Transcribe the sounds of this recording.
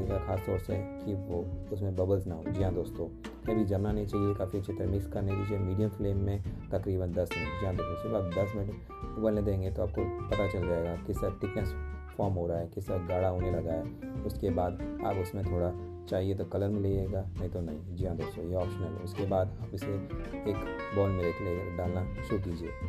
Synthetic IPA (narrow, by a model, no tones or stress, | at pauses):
eɡaxaːst̪ɔːɾseɦkiʋoʊsmẽbɐbəlsnaɦo̰ːd͡ʒijãd̪oːst̪õː | kɐbʱid͡ʒɐmnanɐɦĩt͡ʃaːɦiekaːfiɐtːʃʰet̪eɾemɪkskɐɾned͡ʒɪd͡ʒemiːɖijə̃mfleːmːẽt̪ɐkɾiːbənd̪ɐsmɪd͡ʒijãd̪oːst̪õsɪbaːpd̪ɐsmɪnəʈ | ʊbəlned̪ẽːŋɡet̪oaːp̚kopɐt̪at͡ʃɐld͡ʒaːeːɡakɪsaʈɪkɛ̃nsfɔːɾmɦoːɾaaɦɛkɪsaɡaːɽaɦoːnelɐɡaɦɛːʊskebaːd̪a̰ːpʊsmẽt̪ʰoːɽa | t͡ʃaːɦiet̪okɐləɾmẽleːeːɡanɐɦĩt̪onɐɦĩd͡ʒiɦãd̪oːso̰jeɔːpʃənəlɦɛ̰ʊskebaːd̪aːpʊseeːkbɔːlmɪlekleːɖaːlnaʃʊɾuk̬iːd͡ʒiḛː